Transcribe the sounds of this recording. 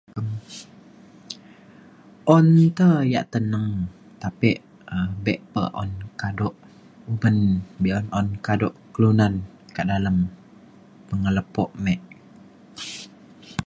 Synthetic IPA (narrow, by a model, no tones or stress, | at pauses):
əm | ʔɔnːit̪əja̰ʔt̪ənəŋ | t̪apiʔ | əbɛʔpə̰ʔɔ̰nkadɔʔ | ubənbɛʔɔnʔɔnkadɔʔkəlunan | kəʔdaləm | pəŋələpɔʔmɛʔ